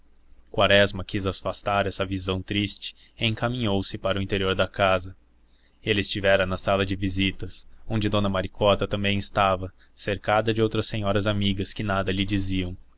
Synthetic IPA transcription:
kwaɾɛzmɐkizasfast̪aɾɛsɐvizɐ̃w̃t̪ɾist͡ʃɪ̥ẽŋkamĩɲowsɪpaɾʊĩt̪eɾioɾd̪ɐkazɐ | elɪɪst͡ʃivɛɾɐnɐsalɐd͡ʒɪvizit̪ɐsõd͡ʒɪd̪õnɐmaɾikɔt̪ɐt̪ɐ̃mbẽj̃ɪst̪avɐ | seɾkad̪ɐd͡ʒɪowt̪ɾɐsːẽɲɔɾɐzamiɡɐskɪnad̪ɐlɪd͡ʒiziɐ̃w̃

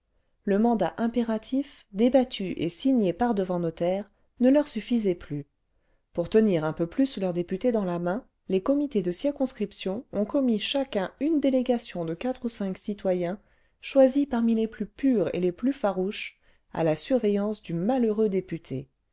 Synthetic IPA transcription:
ləmɑ̃d̪aʔɛ̃peʁat̪ʰif | d̪ebat̪ʰyʔḛsiɲepaʁd̪əvɑ̃nɔt̪ɛːʁ | nəlœʁsyfizɛply | puʁt̪əniʁɛ̃pøplyslœʁd̪epyt̪ed̪ɑ̃lamɛ̃ | lekɔmit̪ed̪əsiʁkɔ̃skχipsjɔ̃ɔ̃kɔmiʃakɛ̃ynd̪eleɡasjɔ̃d̪əkat̪χusɛ̃ksit̪wajɛ̃ | ʃwazipaʁmileplypyʁḛleplyfaʁuʃ | a̰lasyʁvejɑ̃sd̪ymaløʁød̪epyt̪ʰe

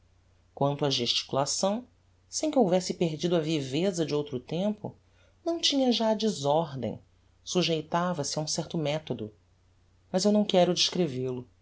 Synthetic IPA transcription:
kwɐ̃nt̪ʊɐʒeʃt͡ʃi̥kulasɐ̃w̃ | sẽj̃kɪowvɛsɪpeɾd͡ʒid̪ʊɐvivezɐd͡ʒɪowt̪ɾʊt̪ẽmpʊ̰ | nɐ̃w̃t͡ʃĩɲɐʒad͡ʒɪzɔɾd̪ḛ̃j̃ | suʒejt̪avɐsɪɐũsɛɾt̪ʊmɛt̪od̪ʊ | mɐzewnɐ̃w̃kɛɾʊd͡ʒɪʃkɾevelʊ

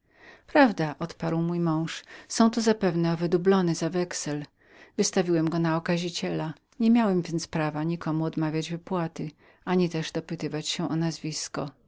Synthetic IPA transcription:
pɾavd̪aʔɔt̪paɾwmujmɔ̃w̃ʂsɔ̃w̃t̪uzapɛvnɛɔvɘd̪ublɔnɛzavɛksɛl | vɘst̪avʲiwɛmɡɔnaɔkaʑit͡ɕɛla | ɲɛmʲjawɛmvʲjɛnt̪spɾavaɲikɔmuɔd̪mavʲjad͡ʑvɘpwat̪ɘ | aɲit̪ɛʐd̪ɔpɘt̪ɘvat͡ɕɕɛʔɔnazvʲiskɔ

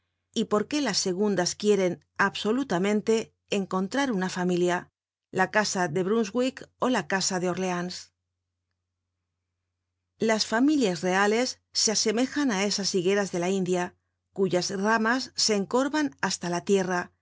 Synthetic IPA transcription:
ipo̞ɾke̞lasːe̞ɣ̞und̪askje̞ɾe̞n | aβso̞lut̪amẽ̞nt̪e̞ː | ŋko̞nt̪ɾaɾunafamilja | lakasaðe̞βɾunzɣwiko̞lakasaðe̞o̞ɾle̞ans | lasfamiljazre̞ale̞sːe̞ase̞me̞xanae̞sasiɣe̞ɾazðe̞laind̪ja | kuʝazramasːe̞ːŋko̞ɾβanast̪alat̪je̞ra

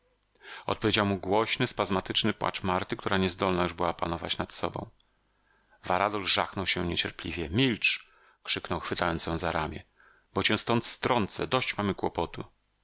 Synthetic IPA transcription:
ɔ̰t̪̚pɔvʲjed͡ʑawmuɡwɔɕnɘspazmat̪ɘt͡ʂnɘpwa̰t͡ʂmaɾt̪ɘk̚t̪uɾaɲɛzd̪ɔlnajuʐbɘwapanɔva̰t͡ɕnat̪sɔbɔ̰̃w̃ | vaɾad̪ɔlʐaxnɔwɕɛɲɛt͡ɕɛɾpʲlʲḭvʲjɛmʲilt͡ʂ | kʂɘknɔwxfɘt̪ajɔnsjɔ̃w̃zaɾamʲjɛ | b̥ɔt͡ɕɛ̃st̪ɔnt̪st̪ɾɔnt̪sɛ̰d̪ɔɕt͡ɕmamɘkwɔpɔt̪ṵ

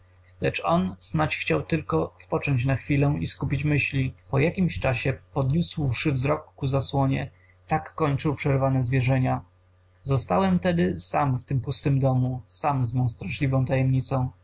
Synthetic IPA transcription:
lɛt͡ʂɔnznat͡ɕxt͡ɕawt̪ɘlkɔspɔt͡ʂɔɲt͡ɕnaxfʲilɛ̃iskupʲit͡ɕmɘɕlʲipɔjakʲimɕt͡ʂaɕɛpɔd̪ɲuswʂɘvzɾɔkːuzaswɔɲɛ | t̪akːɔɲt͡ʂɘwpʂɛɾvanɛzvʲjɛʐɛɲa | zɔst̪awɛmt̪ɛd̪ɘsamft̪ɘmpust̪ɘmd̪ɔmusamzmɔ̃w̃st̪ɾaʂlʲivɔ̃t̪ajɛmɲit̪sɔ̃w̃

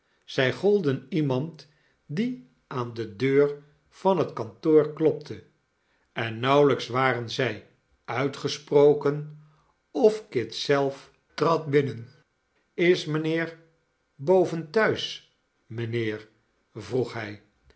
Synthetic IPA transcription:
z̥ɛjχɔlˠdənimɑnt | di | aːndədøːɹ | v̥ɑnɦətkɑntoːɹklɔp̚tʰə | ɛnːɑwləksʋaːrənzɛj | œɥtχəsprowkən | ɔfkɪtsɛlˠf | trɑt̚bɪnən | ɪsmənɪːɹ | bowvəntœɥs | mənɪːɹ | vruχɦɛj

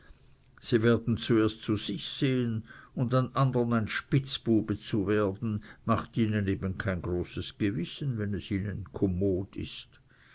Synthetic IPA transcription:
z̥iːveːɐdn̩t͡sueːɐstt͡suz̥ɪçz̥eːənʊndanʔandənaɪnʃpɪt͡sb̥uːbət͡suveːɐdn̩maχtiːnəneːbənkʰaɪnɡ̥ʁoːsəsɡ̥əvɪsənvɛnɛsiːnənkʰomoːdɪ̰st

